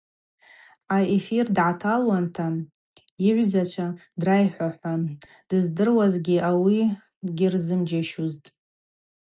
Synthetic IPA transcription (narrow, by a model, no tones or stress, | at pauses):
aefirdʕatʰalwantʰa | iʕʷzat͡ʃʷʰadrajħʷaħʷan | d̥ɨzdɨrwazɡʲiʔawi | ɡʲirzɨmd͡ʒaʃuztʼ